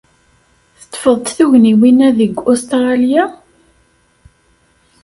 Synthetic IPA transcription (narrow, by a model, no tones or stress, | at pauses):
θə̥t̪ːfəðˤt̪θuʝniwinæðəɡost̪ʁɑlja